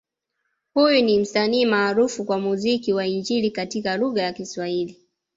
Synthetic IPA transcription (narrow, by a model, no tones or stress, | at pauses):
hujunim̩saniːmaːɾufukwamuzikiwaiɲd͡ʒilikatikaluɣajakiswahili